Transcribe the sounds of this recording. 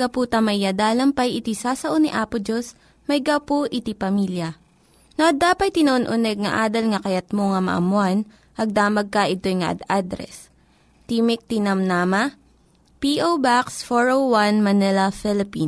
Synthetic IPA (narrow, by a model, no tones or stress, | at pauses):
ɡɐput̪ɐmɐjjad̪aːlɐmpɐjʔɪt̪isaːsɐʔoniʔaːpʊd͡ʒos | mɐjɡawpoʔɪt̪ipɐmiːljɐ | noʔɐd̪aːpɐt̪̚ːɪnoʔonʔʊnɛɡ̚ŋɐ̰ʔaːd̪ɐlŋɐkɐjɐt̪̚moŋɐmɐ̰ʔɐ̰mʊan | ʔɐɡ̚d̪aːmɐɡ̚kɐʔɪt̪o̞jŋɐʔɐ̰d̪ad̪ɾɛ̰s | t̪imɪk̚t̪inɐmnaːmɐ | piʔowbaksfoɹowwanmɐnɛlɐfɪlɪpin